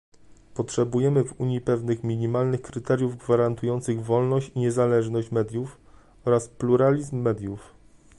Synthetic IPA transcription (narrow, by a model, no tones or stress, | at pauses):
pɔtʂɛbujɛmɘvuɲjipɛvnɘxmʲiɲimalnɘxkɾɘt̪ɛɾʲjuvɡvaɾant̪ujɔnt̪sɘɣvɔlnɔɕt͡ɕiɲɛzalɛʐnɔɕt͡ɕmɛd̪ʲjuf | ɔɾaspluɾalʲizmːɛd̪ʲjuf